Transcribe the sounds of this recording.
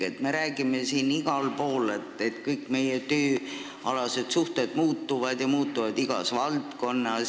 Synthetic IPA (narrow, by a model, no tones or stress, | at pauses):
et̪me̞ɾæːɡ̥ime̞siːniɡ̥ɑlpo̞ːlet̪ːˑet̪kɯjkːme̞jet̪øː | ɑlɑse̞d̪̥suht̪e̞d̪̥muːt̪ːuvɑd̪̥jɑmuːt̪ːuvɑd̪iɡ̥ɑ̰svɑlt̪ko̞nːɑ